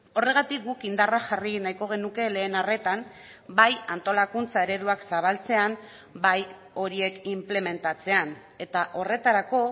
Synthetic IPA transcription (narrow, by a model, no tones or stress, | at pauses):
o̞re̞ɣ̞at̪ik̚ɡukind̪araxarinajko̞ɣ̞e̞nuke̞le̞ːnare̞t̪am | bajant̪o̞lakunt͡sae̞ɾe̞ðuaksaβ̞alt͡se̞am | baj | o̞ɾie̞kimple̞me̞nt̪at͡se̞an | e̞t̪aʔo̞re̞t̪aɾako̞